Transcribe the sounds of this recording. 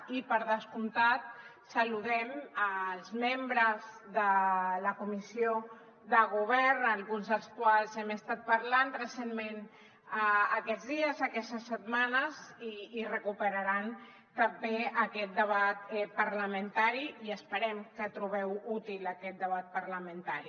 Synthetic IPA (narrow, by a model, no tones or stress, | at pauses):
ipəɾðəskunt̪at̪̚ | səluðɛməlˠzmembɾəz | ðələkumisio | ðəɣuβ̞ɛɾnəlˠɣunzðəlˠskwalˠzɛməst̪at̪̚pəɾlanrəsenmen | əːkɛdd͡zðiəzəkɛst̪əsət̪manəziːrəkupəɾəɾan | t̪əmbeəkɛt̪̚d̪əβat̪̚ɛpəɾləmənt̪aɾiiəspəɾɛmkət̪ɾuβ̞ɛwut̪iləkɛt̪̚d̪əβ̞at̪̚pəɾləmənt̪aɾi